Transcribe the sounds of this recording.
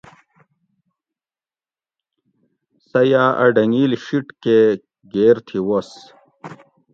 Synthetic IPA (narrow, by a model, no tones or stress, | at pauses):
sɐjaɐ̰ɖɐŋiːlɕiʈke | ɡeːɾt̪ʰiwos